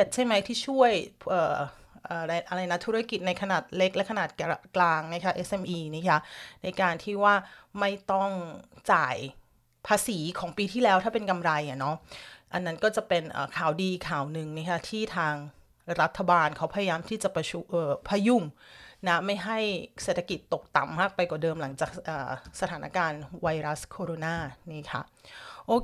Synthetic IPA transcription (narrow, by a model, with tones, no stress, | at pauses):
e˨˩t̪̚t͡ɕʰa˥˩jma˦˥jt̪ʰiː˥˩t͡ɕʰu˥˩əjʰʔɤː˨˩ | ʔəː˨˩ɾa˧jʔa˧ɾa˧jna˦˥t̪ʰu˦˥ɾa˦˥ki˨˩t̪̚na˧jkʰa˧naː˨˩t̪̚le˦˥k̚lɛ˦˥kʰa˧naː˨˩t̪̚kklaː˧ŋna˦˥kʰa˦˥ʔe˦˥sʔe˧mʔiː˧na˥˩kʰa˦˥na˧jkaː˧nt̪ʰiː˥˩waː˥˩ma˥˩jt̪ɔ˥˩ŋt͡ɕa̰ː˨˩j | pʰaː˧siː˩˦kʰɔː˩˦ŋpiː˧t̪ʰiː˥˩lɛː˦˥wt̪ʰaː˥˩pe˧nka˧mɾa˧ja˨˩nɔ˦˥ʔa˧nːa˦˥nkɔː˥˩t͡ɕa˨˩pe˧nʔə̰ː˨˩kʰaː˨˩wdiː˧˨˧kʰːaː˨˩wnɯ˨˩ŋna˦˥˩kʰa˦˥t̪ʰiː˥˩t̪ʰaː˧ŋ | ɾa˦˥t̪ʰːa˧baː˧nkʰa˦˥wpʰa˧ja˧jaː˧mt̪ʰiː˥˩t͡ɕa˨˩pa˧t͡ɕʰu˧˩ʔɤː˨˩pʰa˧ju˧˩mna˦˥ma˥˩jɦa˥˩jseː˨˩t̪ʰːa˧ki˨˩t̪ːo˨˩k̚t̪a˨˩mːaː˥˩k̚pa˧jkɔː˨˩dɤː˧mla˩˦ŋt͡ɕaː˨˩k̚ʔəː˨˩sa˧t̪ʰaː˩˦na̰˦˥kaː˧nwa˧jɾa˦˥skʰoː˧ɾoː˧naː˧˥˩niː˥˩kʰa̰˦˥ʔoː˧˩